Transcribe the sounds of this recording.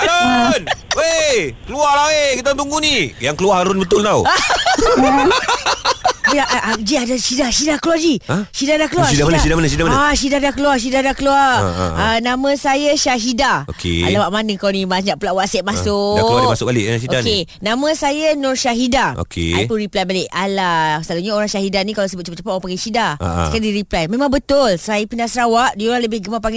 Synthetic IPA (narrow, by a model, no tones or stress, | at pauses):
danwekəlualaekit̪ant̪uŋɡunijaŋkəluaɾaɾʊnbət̪ʊlt̪aw | iaʔd͡ʒiadasidasidakəluad͡ʒiəʃidadakəluaidamanasidamanəsidamanasidadakəluaʃ̬idadakəluar̰ənamə̃sajaʃaɦidao̰kḛa̰lawaʔmandəŋkawnibaɲaʔpəlaʔwaʔsɛʔ̪̚masʊasʊk̚balɪʔaʃioakenãmə̃sajanʊrʃaɦidao̰kʰḛapunɾiplajbalɪʔalasəlaluɲaoɾaŋʃaɦidanĩkalasəbʊt̪̚t͡ʃap̚t͡ʃapaʔapaŋɡɛʃidaa̰əkaidiɾiplajmẽmãŋbət̪ʊlsajapindasəɾawaʔdioɾaŋləbɪhɡəmapaŋɡ